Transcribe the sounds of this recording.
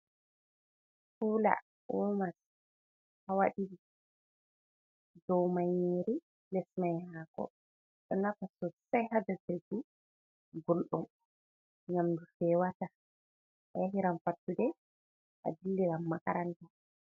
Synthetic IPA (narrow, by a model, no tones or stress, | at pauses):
huːla̰ | umas | hawaɗili | dɔwmajeɾi | lɛsmajhɦaːkɔ̰ | ɗɔnakasɔsajhadatɾiku | ɡolɗum | ɲamdufɛwata | ʔajaɦiɾamfatːudɛ | ʔa̰dilːɛɡamːakaɾanta